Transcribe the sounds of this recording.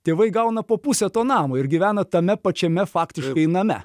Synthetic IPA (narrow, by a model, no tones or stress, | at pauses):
t̪ʲeːʋɐɪɡɐʊnɐpoːpusʲɛt̪oːnɑːmoːɪɾɡʲɪʋʲæːnɐt̪ɐmʲɛpɐt͡ʃʲɛmʲɛfɑːkt̪ʲɪʃkɐɪnɐmʲɛ̰